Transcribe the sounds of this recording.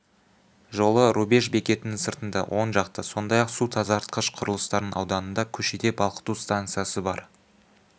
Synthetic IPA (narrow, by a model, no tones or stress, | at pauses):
ʒo̞lˠəɾube̞ʃbe̞kʲe̞t̪ɪnɪŋsəɾt̪ənd̪ɑ̰wʔo̞nʒɑqt̪əso̞nd̪ɑjɑqsut̪ʰɑzɑɾt̪̚qʰəʃqʰʊɾəlˠəst̪ɑɾnənɑ̰wd̪ɑnənd̪ɑkʲʰɵʃed̪e̞bɑlˠqə̥t̪ust̪aŋt̪sɨjasəbɑɾ